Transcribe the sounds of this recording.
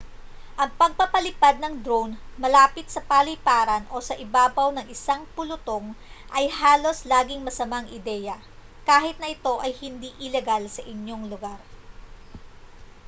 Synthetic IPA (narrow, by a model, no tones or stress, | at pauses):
ʔɐŋpɐɡ̚pɐpɐlɪpad̪̚nɐŋd̪ɾonmɐlaːpɪt̪̚sɐpaːlɪjpaːɾɐnʔo̞sɐʔɪbaːbɐwnɐŋʔɪsaŋpʊlʊt̪o̞ŋʔɐjhaːlo̞slaːɡɪŋmɐsɐmaŋʔɪd̪ɛːjɐ | kaːɦɪt̪̚nɐʔɪt̪o̞ʔɐjhɪnd̪iʔɪlɛɡalsɐʔɪnjo̞ŋlʊɡaɾ